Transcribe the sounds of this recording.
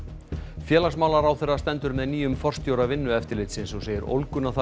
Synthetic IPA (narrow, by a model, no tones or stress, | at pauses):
fjɛːlaksmaːwlaɾawθɛrːast̪ɛnt̪ʏɾmɛðniːjʏmfɔr̥st̪jowɾavɪnːʏɛft̪ɪɾlɪjt̪sɪnsɔɣseːjʏɾo̰wlkʏnaθa